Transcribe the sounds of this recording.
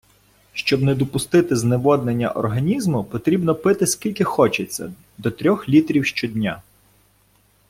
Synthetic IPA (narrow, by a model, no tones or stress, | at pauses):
ʃt͡ʃɔbnɛd̪ɔpʊst̪ɪt̪ɪzneʋɔd̪nenʲːɐ̰ʔɔ̰rɦɐnʲizmʊpɔt̪ɾʲibnɔpɪt̪ɪskʲilʲkɪxɔt͡ʃet͡sʲːɐ̰ | d̪ɔt̪ɾʲɔxlʲit̪ɾʲiwʃt͡ʃɔd̪ʲnʲa̰